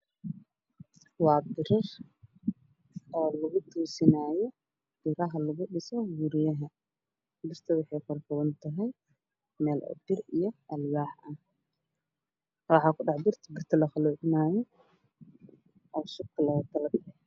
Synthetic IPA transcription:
wɑːbɪɾɐr | ɔːlɐɣʊt̪ʰuːsɪnaːjɔ | b̥ɪɾɐɦɐlɐɣʊɗɪsɔɡuɾɪjɐɦɐ | bɪrt̪ʰɐwɑħɑjkɔlkʰɐwɐnt̪ʰɐɦɛj | mɛːlʔɔ̰bɪrijɔʔɐlɡaːħʔɐh | wɑħɑːkʰʊɖɑħbɪrt̪ʰɐbɪrt̪ʰɐlɐχɑluːʕɪnaːjɔ | ʔɔwsʊbkʰɐlɐwɐt̪ʰɐlɐd̪ɪ

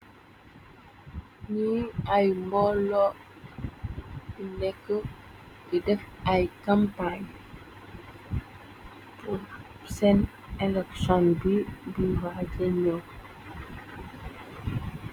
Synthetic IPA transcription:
ɲiajmbɔlɔ | inɛkːə | bidɛfajkampaɲ | pu | sɛn | ɛlɛksɔnbibiwaɟɛɲɔ

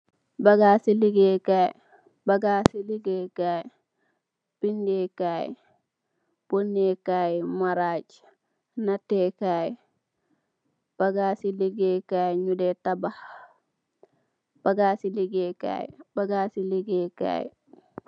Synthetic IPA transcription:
baɡaːsiliɡekaj | baɡaːsiliɡekaj | b̥indekaj | b̥onːekajmaɾad͡ʒ | natːekaj | b̥aɡasiliɡekajɲudetabah | b̥aɡaːsiliɡeka̰jb̥aɡaːsiliɡeka̰j

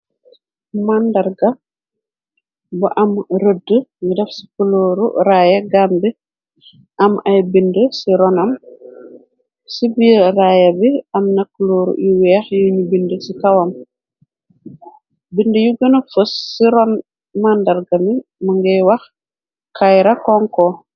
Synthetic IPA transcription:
mandaɾɡɐ | buʔɐmɾədːəɲidɛfsi̥kəloːɾṵɾajɐɡambi | ʔɐmɐjbindəsiɾɔnɐm | sibijərajɐbiɐmnɐkːəloːɾṵuwɛxjuɲubindəsikawɐm | bindəjuɡənəfəsːiɾɔn | mandaɾɡɐmimɐŋɡɛjwɐx | kʰajɾɐkɔŋkɔ

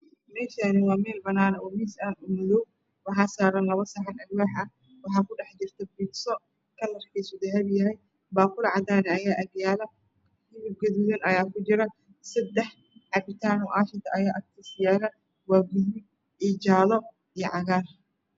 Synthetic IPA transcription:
mɛːʃanɪwɑːmɛːlbɐnaːnɐʔɔmiːsaːnumʊðɔw̚ | wɑħɑːsaːɾɐnlɐβɐsɐħɑnɐlwaːħɐ | wɑħɑːkʊɖɑħd͡ʒɪrt̪ʰɐbiːɡsɔ | kʰɐlɐrkʰiːsʊd̪ɐɦɐβjɐɦɛj | baːkʊlʕɑd̪aːnɛɐjaːʔɐbjaːlɐ | hɪβɪb̚ɡɐðuðɐnɐjaːkʰʊt͡ʃɪɾɐ | sɐd̪ɛħ | ʕɑbɪt̪ʰaːnɔʔaːʃɪt̪ʰɐʔɐjaːʔɐkt̪ʰɪsɪjaːlɐ | waːɡuðmɪ | id͡ʒaːlɔ | ijʕɑɣaːr

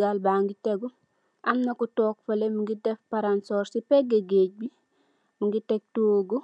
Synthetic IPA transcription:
ɡalbaŋɡiteɡu | ʔamnakutoːk̚fɐlemuŋɡidefpaɾansoɾsipeɡeɡeɟ̚bi | muŋɡitek̚tuoɡo

